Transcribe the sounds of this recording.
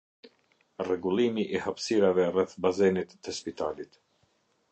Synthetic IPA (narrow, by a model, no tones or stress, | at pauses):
rɛɡulˠimiʔihapsiɾavɛrɛθbazɛnit̪ːɛspit̪alit̪